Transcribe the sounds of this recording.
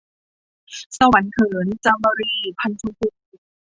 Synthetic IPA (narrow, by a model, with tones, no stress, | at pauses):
sa˧wa˩˦nkʰɤː˨˩˦nt͡ɕa˧mbɔː˧ɾiː˧pʰa˧ntʰu˧pʰu˧˩˨